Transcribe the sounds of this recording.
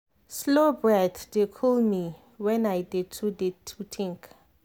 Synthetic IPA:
slobɹɛtdekʰɔlmi | wɛ̃najdid̚tʰudid̚tʰːutʰĩŋk

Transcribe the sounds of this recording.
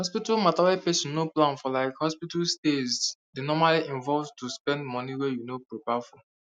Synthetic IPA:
hɔspitalmataipesjunoplãnfɔlaɪkhɔspitalstesdinɔmaliʔĩɱvɔlvtʰuspɛ̃ndmɔniwɛjunopɹopafɔ

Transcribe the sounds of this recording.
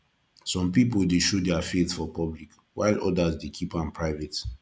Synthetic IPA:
sɔ̃mpip̬oldeʃodɛafeθfɔpɔblik | waɪlʔɔdazdekʰipãmpʰɹaɪvɛt

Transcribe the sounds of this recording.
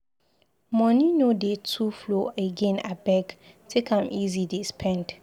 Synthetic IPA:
mɔ̃nĩnodetʰufloeɡɛ̃nabɛɡ | tʰekʰãmʔizidispʰɛ̃nd̥

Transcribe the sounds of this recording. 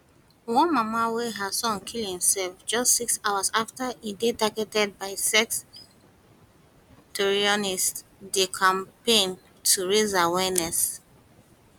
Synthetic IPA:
wɔ̃nmamaweɦasɔ̃nkʰilhĩmsɛlfd͡ʒɔstsiksawazaftaʔedetaɡɛtɛd̚baɪsɛks | tuɹiɔnistdekʰãmpẽn | tʰuɹezawɛnɛs

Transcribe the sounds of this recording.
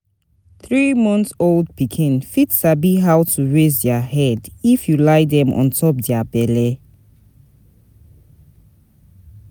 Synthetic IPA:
θɹimɔ̃ntold̚pikʰĩnfitsabiɦawtʰuɹezdɛahɛdifjulajdɛ̃mʔɔ̰̃ntʰɔp̚dɛabɛlɛ

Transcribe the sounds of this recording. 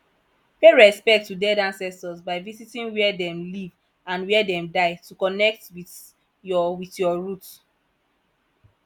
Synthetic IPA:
peɹɛspɛk̚tːudɛdãnsɛstɔsbaɪvizitĩnwɛdɛ̃mliv | ãnwɛdɛ̃mdaɪtukɔnɛk̚twiθ | ɔwitjɔɹut

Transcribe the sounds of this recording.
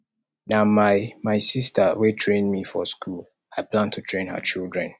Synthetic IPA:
namaɪmaɪsistəwetʰɹẽnmifɔ̰skul | aɪplãntʰutʰɹẽnhə̰t͡ʃildɹɛ̃n

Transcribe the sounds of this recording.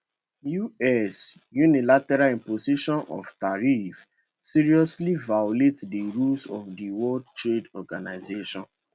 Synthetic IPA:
juɛs | junilatɛɾaĩmpoziʃɔ̃nɔ̰ftaɹif | siɹiɔslivajoletdiɹulsɔfdiwɔldtɹedɔɡanaɪzeʃɔ̰̃n

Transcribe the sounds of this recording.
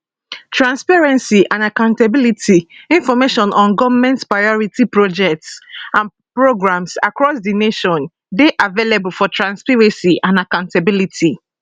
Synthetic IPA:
tɹãnspaɹɛ̃nsiʔãnakãʊ̃ntabilitʰiĩnfɔmeʃɔ̃nɔ̃nɡɔvmɛ̃ntpɹajɔɹitipɹɔd͡ʒɛk̚tsãn | pɹoɡɹãmsakɹɔsdineʃɔ̃n | deʔavelebulfɔtɹãnspɛɹɛ̃siʔãnakãʊ̃ntabilitʰi

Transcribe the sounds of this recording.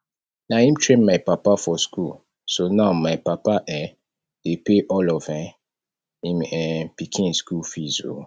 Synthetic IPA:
naĩmtʰɹẽnmaɪpapafɔskul | sonãʊmaɪpapaʔɛ | d̥epeʔɔlɔvɛ̃ | ĩmɛpikʰĩnskulfizo̰

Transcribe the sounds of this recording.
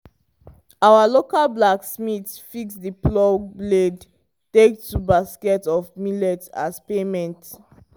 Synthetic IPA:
awalokalblaksmitfiksdiplɔbled | tek̚tubaskɛtɔfmilɛta̰spemɛ̃nt

